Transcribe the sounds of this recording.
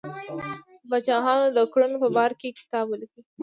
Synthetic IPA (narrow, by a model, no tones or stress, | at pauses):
bat͡ʃɑɦɑnod̪əkɽunopəbɑɾkekɪ̥t̪ɑːbolki